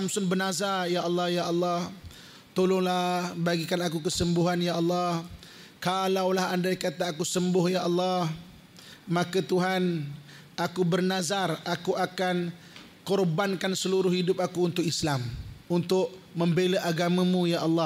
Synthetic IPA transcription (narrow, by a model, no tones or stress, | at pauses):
amsʊnbənazarjaʔɑlːɑhjaʔɑlːɑh | t̪olʊŋlahbaɡikanakukəsəmbʊɦanjaʔɑlːɑh | kalawlaɦandaikat̪aːkusəmbʊhjaʔɑlːɑh | makət̪uɦan | akubərnazarakuʔakan | kɔrbankansəluɾʊhhidʊp̚akuːnt̪ʊkislamunt̪ʊʔ | məmbeləʔaɡamãmũjaʔɑlːɑ